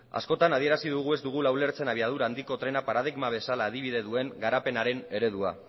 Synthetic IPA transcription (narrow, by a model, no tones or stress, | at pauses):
a̰sko̞t̪anaðie̞ɾasiðuɣ̞ue̞zd̪uɣ̞ulawle̞ɾt͡se̞naβiað̞uɾaːnd̪iko̞t̪ɾe̞napaɾað̞iɣmaβ̞e̞salaːðiβ̞iðe̞ðue̞ŋɡaɾape̞naɾe̞ne̞ɾe̞ðua̰